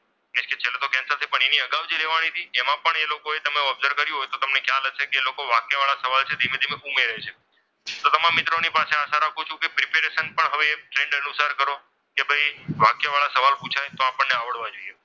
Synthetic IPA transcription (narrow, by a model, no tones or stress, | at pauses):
nɪʃket͡ʃʰelet̪okɛ̃nsat̪ʰipəɳeniəɡaʋd͡ʒeleʋañit̪ʰiemãpəɳelokoet̪əmeuəbzəɾkəɾjũɦojt̪ot̪əmnekʰjalət͡ʃʰekeːlokoʋakjəʋaɭasəʋalt͡ʃʰed̪ʱimed̪ʱimeumeɾəɦet͡ʃʰe | t̪ot̪əmãmːɪt̪ɾonipaseaʃaɾakʰut͡ʃʰũkepɾipeɾesənpəɳɦəʋeːʈɾeɳɖənusaɾkəɾo | kebʱəjʋakjəʋaɭasəʋalpũt͡ʃʰajt̪oapəɳːeaʋəɽʋad͡ʒoije